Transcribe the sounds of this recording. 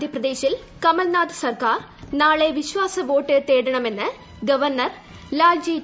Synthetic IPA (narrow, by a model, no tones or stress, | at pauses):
d̪ʱjɐprɐd̪e̞ːɕil | kɐmɐlnaːd̪ɨsɐrkaːr | naːɭe̞ʋiɕʋaːsɐʋo̞ːʈːɨt̪eːɽɐɳɐme̞nːɨ | ɡɐʋɐrnɐr | laːd͡ʑiː